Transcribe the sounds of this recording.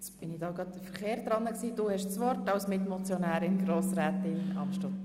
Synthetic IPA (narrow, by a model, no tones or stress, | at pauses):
t͡sb̥ɪnɪd̥̪ɑːɡɾɑt̪̚d̥əfəɾχeːɾd̪ɾɑnːəksiːd̥uːhɛʃsʋɔɾtɑwsmɪt̪mɔt͡sjɔnæːɾɪnɡɾoːsɾæːt̪ɪnɑ̰mʃtɑt̪